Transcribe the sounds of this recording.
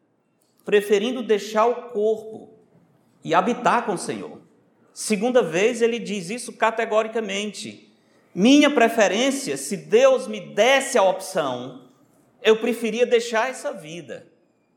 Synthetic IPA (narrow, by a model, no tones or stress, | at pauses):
pɾefeɾĩnd̪ʊd̪ejʃaɾʊkoɾpʊ̰ | ɪabit̪aɾkõʊsḛ̃ɲo̰ɾ | sɪɡũnd̪ɐvejzelɪd͡ʒizisʊkat̪eɡɔɾikɐmẽnt͡ʃɪ̰ | mĩɲɐpɾefɛɾẽsiɐsɪd̪ewzmɪd̪ɛsɪaɔpsɐ̃w̃ | ewpɾefiɾiɐd̪ejʃaɾɛsɐvid̪ɐ̰